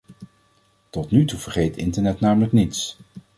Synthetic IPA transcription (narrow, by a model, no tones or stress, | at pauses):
tɔtnytuvəɹχejtɪ̰ntəɹnɛtnaːmələknits